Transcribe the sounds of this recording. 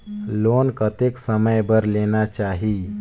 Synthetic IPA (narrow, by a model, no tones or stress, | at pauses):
lonkət̪eksəməjbəɾlenat͡ʃaɦi